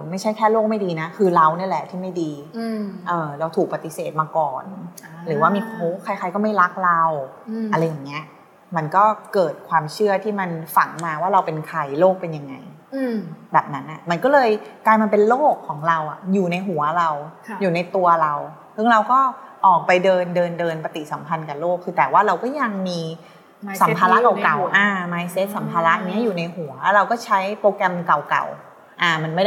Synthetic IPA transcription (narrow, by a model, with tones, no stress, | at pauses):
ma˥˩jt͡ɕʰa˥˩jkʰɛː˥˩loː˥˩k̚ma˥˩jdiː˧na˦˥kʰɯː˧ɾa˧wn˥˩ɐlɛ˨˩t̪ʰiː˥˩ma˥˩jdiː˧ | ʔɤː˨˩ɾa˧wt̪ʰuː˨˩k̚pa˧t̪i˧˩seː˨˩t̪̚maː˧kɔː˨˩nɾɯː˩˦waː˥˩miː˧ʔoː˦˥kʰa˧jkʰa˧jkɔː˥˩ma˥˩jɾa˦˥k̚ɾa˧wa˧ɾa˧jːaː˨˩ŋːi˦˥ɐ | ma˧nkɔː˥˩kɤː˨˩t̪̚kʰwaː˧mt͡ɕʰɯ˥˩ɐt̪ʰiː˥˩ma˧nfa˨˩˦ŋmaː˧waː˥˩ɾa˧wpe˧nkʰa˧jloː˥˩k̚pe˧nja˧ŋːa̰˧j | bɛː˨˩p̚na˦˥nʔa˨˩ma˧nkɔː˥˩lɤː˧jklaː˧jmaː˧pe˧nloː˥˩kʰːɔː˩˦ŋɾa˧wʔa˨˩juː˨˩na˧jɦu˩˦ɐɾa˧wjuː˨˩na˧jt̪u˧ɐɾa˧w | sɯ˥˩ŋɾa˧wkɔː˥˩ʔɔː˨˩k̚pa˧jdɤː˧ndɤː˧ndɤː˧npa˧t̪i˨˩sa˩˦mpʰa˧nkaː˨˩loː˥˩kʰːɯː˧t̪ɛː˨˩waː˥˩ɾa˧wkɔː˥˩ja˧ŋmiː˧ | sa˨˦mpʰaː˧la˦˥ka˨˩ka˨˩wʔaː˧maː˧jse˦˥t̪̚sa˩˦mpʰaː˧la˦˥ʔa˧˩ŋːni˦˥ɐ˨juː˨˩na˧jɦu˩˦ɐlɾa˧wkɔː˥˩t͡ɕʰa˦˥jpoː˧kɾɛ˧mka˨˩wka̰˨˩w | ʔaː˧˩ma˧nma˥˩a